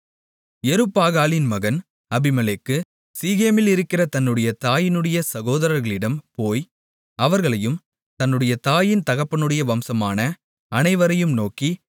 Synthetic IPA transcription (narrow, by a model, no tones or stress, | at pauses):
ɛɾɯpːaːɣaːlɪnmɐɣɐn | ɐbɪmɐleːkːɯ | siːɣeːmɪlɪɾɯkːɪrɐt̪ɐnːɯɽɐjɐt̪aːjɪnɯɽɐjɐsɐɣoːðɐɾɐɾɣɐɭɪɽɐmpoːj | ɐʋɐɾɣɐɭɐjɯm | t̪ɐnːɯɽɐjɐt̪aːjɪnt̪ɐɣɐpːɐnɯɽɐjɐʋɐmsɐmaːnɐ | ɐnɐɪʋɐɾɐjɯmnoːkːi